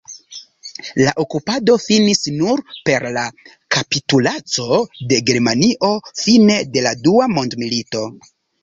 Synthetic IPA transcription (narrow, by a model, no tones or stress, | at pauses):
laʔo̞kupado̞finisnuɾpe̞ɾla | kapitulat͡so̞de̞ɡe̞ɾmaniʔo̞fine̞de̞laduamo̞ndmilito̞